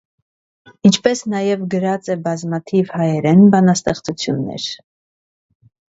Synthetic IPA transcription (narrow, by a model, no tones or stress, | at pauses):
int͡ʃʰpɛsnɑjɛvɡəɾɑt͡sɛbɑzmɑt̪ʰivhɑjɛɾɛnbɑnɑst̪ɛχt͡sut͡sʰjunːɛ̰ɾ